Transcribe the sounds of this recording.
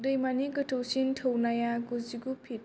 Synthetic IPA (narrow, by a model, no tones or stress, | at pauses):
dɯjmaniɡətʰowsintʰownajaɡuziɡupʰit